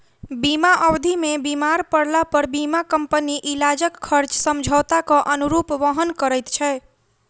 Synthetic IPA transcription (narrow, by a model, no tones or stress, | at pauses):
bimaʔəwd̪ʱimebimaɾpəɽlapəɾbimakəmpəniʔilad͡ʒəkkʰːəɾt͡ʃsəmd͡ʒʱət̪akɔʔənuɾupʋəɦənkəɾəjt̪t͡ʃʰɛ